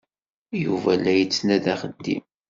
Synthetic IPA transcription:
juvælːæjət͡sːnæðæχəd̪ḭm

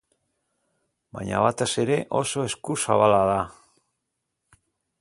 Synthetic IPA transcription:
baɲa̰βat̪ese̞ɾe̞ʔo̞so̞e̞skusaβalaða

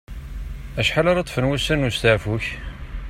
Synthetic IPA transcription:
æʃħalɑɾˤɑt̪ˤːfənwæsænust̪əʕfuç

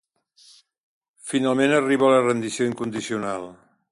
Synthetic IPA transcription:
finalˠmenəriβələrənd̪isijoiŋkund̪isiunalˠ

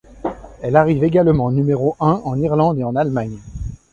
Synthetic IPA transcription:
ɛlaʁiveɡalmɑ̃nymeʁoʔɛ̃ɑ̃niʁlɑ̃d̪eɑ̃nalmaɲ

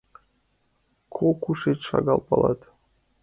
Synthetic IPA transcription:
kʰokuʃet͡ɕʃɑ̰ɣɑlˠpɑlˠɑ̰t̪

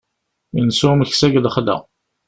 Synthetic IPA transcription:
insuməçsæɡðəχlæ̰

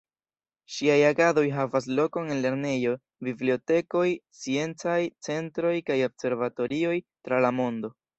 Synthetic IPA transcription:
ʃiajaɡado̞jɦavas̬lo̞ko̞ne̞nle̞ɾne̞jo̞ | biblio̞te̞ko̞jt͡sie̞nt͡sajt͡se̞ntɾo̞jkajo̞bse̞ɾvato̞ɾio̞jtɾalamo̞ndo̞

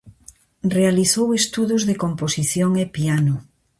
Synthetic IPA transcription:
realiθowest̪uðuzðekomposiθjoŋepianʊ

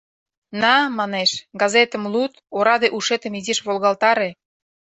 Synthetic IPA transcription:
nɑmɑneʃɡɑzet̪ə̆mlut̪oɾɑd̪eʔuʃet̪ə̆miziʃβolɣɑlt̪ɑɾe

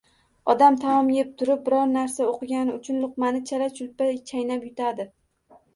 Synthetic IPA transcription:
ɒd̪amt̪ʰamɒmjep̚t̪ʰʊɾɪp̚bɪɾɒɾnaɾsaoqɨɡʲanɪʊt͡ʃʰʊnlˠʊqmanɪt͡ʃʰaɾat͡ʃʰʊlpat͡ʃʰajnapjʊt̪ʰad̪ɪ

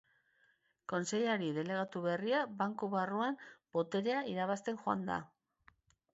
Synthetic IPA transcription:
ko̞nse̞ʎaɾiðe̞le̞ɣ̞at̪uβe̞riaβaŋkuβaruambo̞t̪e̞ɾe̞aiɾaβast̪e̞ŋxoa̰nd̪a̰

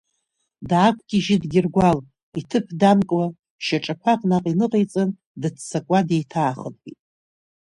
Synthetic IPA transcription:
dːkʷʰɡ̥ʲiʒɪdɡʲɪrɡʷal | itʰɨpʰdamkʼwa | ʃaʈ͡ʂʼakʷʰaqʼnaqʼinɨqʼejt͡sʼɨn | dɨt͡sʰsakʷʼade̞jtʰaːχənʼɡ̥ʲitʼ

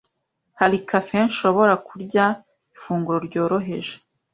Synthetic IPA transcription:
haɾikʰafe̞nʃo̞βo̞ɾakuɾɟa | ifuːŋɡuɾo̞ɾɟo̞ːɾo̞ɦe̞ʒe

